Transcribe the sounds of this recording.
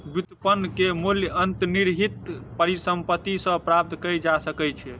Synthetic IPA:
bit̪pənːkemoljənt̪niɾɦit̪pəɾisəmpət̪ːisə̃pɾap̚t̪ʰkəjd͡ʒasəkɛt͡ʃʰɛ

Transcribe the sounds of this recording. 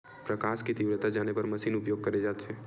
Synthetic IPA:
pɾɐkaːʃkit̪iːʋɾət̪ad͡ʒaːnepɐɾmɐʃiːnʊpjoːɡ̚kɐɾed͡ʒaːt̪eɦɛ̃ː

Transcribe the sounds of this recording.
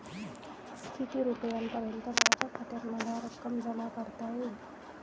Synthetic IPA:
st̪ʰit̪iːɾupəjanpəɾənt̪əbaɾat͡ɕakʰat̪əɾm̤əlaɾəkːəmd͡zalapaɽt̪aɦo

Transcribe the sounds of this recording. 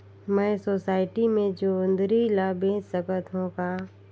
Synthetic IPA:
mɛ̃ːsoːsaːɪʈimẽd͡ʒoːʊ̃nd̪ɾilabẽːt͡ʃsəkət̪ɦũka

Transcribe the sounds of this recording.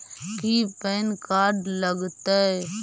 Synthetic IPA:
kiːpɛːnkaːɖləɡt̪ə

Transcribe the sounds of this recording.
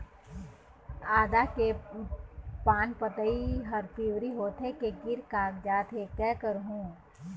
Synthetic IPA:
aːd̪ake | paːnpət̪əiɦəɾpiːwɾiɦoːt̪ɦekeɡɪɾkaːkd͡ʒaːt̪ɦekɛːkəɾɦũː

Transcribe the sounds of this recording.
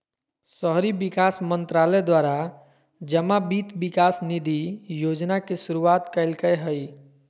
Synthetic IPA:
səɦɾibikasmənt̪ɾaled̪waɾa | d͡ʒəmabit̪bikasnid̪ʱijod͡ʒnakesuɾuat̪kəɪlkəjɦəj

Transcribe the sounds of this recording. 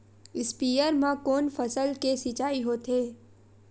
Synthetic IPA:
ɪspiːjəɾmãkoːnfəsəlkesit͡ʃaːiɦot̪ʰeː

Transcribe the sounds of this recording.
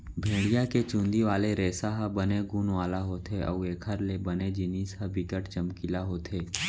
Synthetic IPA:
bʱẽːɽijaket͡ʃũːnd̪iʋaːleɾeːsaɦabəneɡuːnʋaːlaɦoːt̪eʔɐ̰ueːkʰəɾlebəned͡ʒɪniːsɦɐbɪkəʈt͡ʃəmkɪlaɦoːt̪ʰeː

